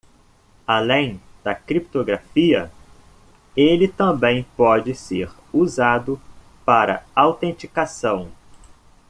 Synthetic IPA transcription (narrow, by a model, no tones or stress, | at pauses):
alẽj̃d̪̥ɐkɾip̚t̪oɡɾafiɐ | elɪt̪ɐ̃bẽj̃pɔd͡ʒɪseɾ | uzad̪ʊ | paɾɐ̰awt̪ẽnt͡ʃikasɐ̃w̃